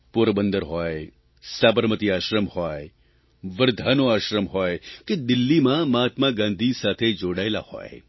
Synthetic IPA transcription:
puɾbənd̪əɾɦɔe | saːbəɾmət̪iaːʃɾəmhɔe | ʋəɾd̪ʱaːnoaːʃɾəmɦɔːeked̪ɪlːimãmaːt̪maɡãːnd̪ʱisaːt̪ʰed͡ʒoːɽaela̰hɔ̰ːḛ

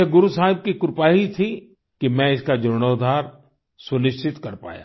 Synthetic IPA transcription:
eɡʊɾusaːɦɪb̚kikʊɾpaːɦit̪ʰi | kimɛ̃ɪskad͡ʒʊɾɽ̃oːd̪ʱaːɾ | sʊnɪʃt͡ʃʰɪt̪kɐɾpa̰ːja̰ː

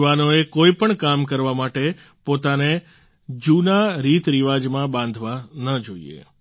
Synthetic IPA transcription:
ʋanoekoipəɳkamkəɾʋamaʈe | pot̪ane | d͡ʒunaɾit̪ɾiʋad͡ʒmãbãnd̪ʱʋanəd͡ʒoḭḛ

